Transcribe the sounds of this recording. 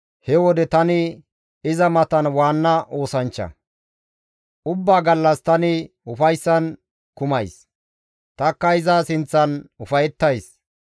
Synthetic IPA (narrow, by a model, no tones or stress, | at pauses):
hɛwɔd̪ɛt̪ɐnɪ | ɪzɐmɐt̪ɐnwaːnːɐʔo̞ːsɐnt͡ʃːɐ̰ | ʔʊbːaːɡɐlːɐst̪ɐnɪ | ʊfɐjsːɐn | kʊmɐjs | t̪ɐkːɐɪzasɪnt͡sːɐnʊfɐjɛt̪ːɐjs